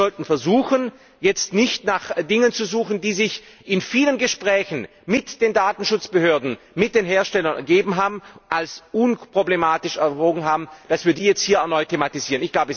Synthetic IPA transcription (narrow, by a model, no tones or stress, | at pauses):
ɔltn̩fɛɐzuːxən | jɛt͡stnɪçtnaχdɪŋənt͡suzuːxn̩diːzɪç | ʔɪnfiːlənɡəʃpʁ̥ɛːçn̩ | mɪtd̥eːndaːtn̩ʃʊt͡sb̥əhøːɐdn̩ | mɪt̚d̥eːnɦeːɐʃtɛlɐnʔɛ̰ɐɡeːbm̩ɦaːbm̩ʔalsʔʊnpʁ̥oblemaːtɪʃɛɐtʁoːɡŋ̩ɦaːbm̩d̥asv̥iːɐdiːjɛt͡st̚hiːɐɛɐnɔʏtʰːematiziːʁənɪçɡ̥laʊbə